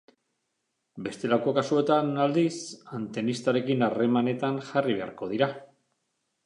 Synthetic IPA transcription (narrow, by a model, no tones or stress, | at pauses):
be̞st̪e̞lako̞kasue̞t̪anald̪isant̪e̞nist̪aɾe̞kinare̞mane̞t̪anxariβe̞a̰ɾko̞ð̞iɾa